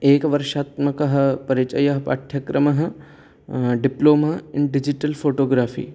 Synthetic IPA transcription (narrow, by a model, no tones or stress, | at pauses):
eːkʋɐɾʃaːt̪mɐkɐɦɐ̆pɐɾit͡ʃɐjɐɦɐpa̰ʈʰjɐkɾɐmɐɦɐ̆ | ɖɪploːmaːɪɳɖɪd͡ʒiʈɐlfʰoːʈoːɡɾaːfḭː